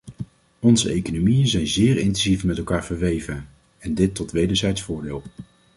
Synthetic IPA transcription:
ɔnzə̰ejkonomijənzɛjnzɪːɹɪntɛnzifmɛtɛlˠkaːɹv̥əɹʋejvən | ɛndɪtːɔtʋejdəɹzɛjtsfʊːɹdɪːlˠ

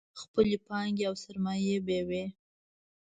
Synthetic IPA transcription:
xpəlepɑŋɡeawsaɾmɑjebewe

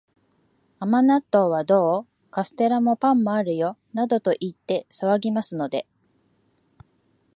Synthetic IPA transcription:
amanat̪ːo̞ːβad̪o̞ː | kasɨ̥t̪e̞ɾamo̞pãmːo̞aɾɯ̟jo̞nad̪o̞t̪o̞ʔit̪ːe̞saβaɡʲimasɨno̞d̪e̞

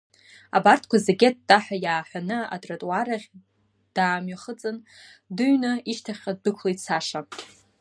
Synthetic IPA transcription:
abartʰkʷʰazeɡʲet̚daħʷᶣajaːħʷᶣanɨa̰tʼratʼwaɾaχʲ | d̥aːmɥaχət͡sʼɨndɨɥnɨiʃtʰaχʲqad̚dɨkʷʰlejt͡sʰaʂa

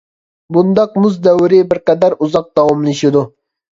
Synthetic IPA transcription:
bund̪ɑqmʊzd̪æwɾɪbɪɾqɛd̪æɾuzɑq̚d̪̥ɑwɑmlˠɪʃɪd̪u

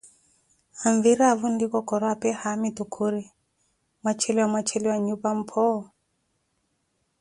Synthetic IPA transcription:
haɱviɾavundikɔkɔɾapɛhamitukʰuɾi | mwat͡ʃʰɛliwamwat͡ʃʰɛliwaɲupam̩pʰɔ

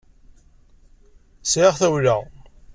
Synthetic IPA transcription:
sʕɪʁθæwləʁ

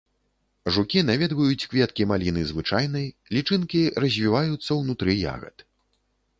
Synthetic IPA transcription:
ʐukʲinavʲɛd̪vɐjut͡sʲkvʲɛt̪̚kʲimalʲinɨzvɨt͡ʂajnɐj | lʲit͡ʂɨnkʲiɾɐzʲvʲivajut̪sːɐwnut̪ɾɨja̰ɣɐ̰t̪

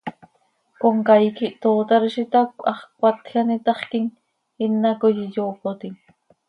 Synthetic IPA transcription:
koŋkajkiʔt̪oːt̪ɑɾiʃit̪akɑχkʷwat̪xɑnit̪ɑχkiŋ | ɪnːakojijoːkot̪iŋ

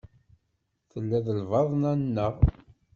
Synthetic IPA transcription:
θəlːæðəlvɑðˤnænːəʁ

